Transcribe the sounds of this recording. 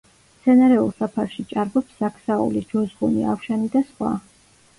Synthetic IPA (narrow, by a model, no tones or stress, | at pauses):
t̪sʰɛnaɾɛulˠsapʰaɾʃit͡ʃʼaɾbɔpsakʰsaṵlid͡ʒɔzʁunia̰fʃanid̪asχwa̰